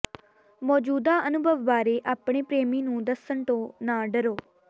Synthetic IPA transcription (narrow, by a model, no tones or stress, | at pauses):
mɔːd͡ʒuːd̪aːənʊbʱəʋːaːɾeːʔaːpɳ̃eːpɾeːmiːnũːd̪əsːəɳʈõːnãːɖəɾoː